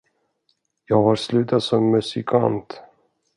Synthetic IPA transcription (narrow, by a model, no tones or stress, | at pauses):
jɑːɡhaɾslʉ̟ːt̪at̪sɔmːɵsɪkʰa̰nt̪